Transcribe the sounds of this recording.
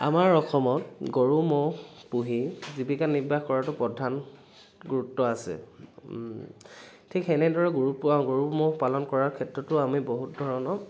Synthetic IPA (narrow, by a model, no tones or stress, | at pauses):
a̰maɹɔxɔmɔtɡoɹumohpuɦizibikanːibaxkɔɹatʊpɹɔdʱːan | ɡuɹutːɔasɛ̰ | tʰikɛnɛdɔɹɛɡuɹutpɔãɡoɹumohpalɔnkɔɹaɹkʰɛtɹɔtʊamiboɦut̚dʱɔɹɔnɔ